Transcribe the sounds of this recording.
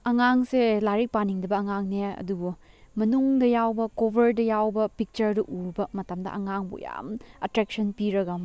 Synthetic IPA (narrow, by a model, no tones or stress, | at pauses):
ɐŋaŋselaɾik̚paniŋdɐbɐːŋaŋneɐ̰dubu | mɐnuŋdɐjawbɐkobʱɐɾdɐjawbɐpik̚t͡ʃɐɾduʔuɾbɐmɐtɐmdɐ̰ʔɐ̰ŋaŋbṵja̰mɐtɾek̚sɐnpiɾɐɡɐm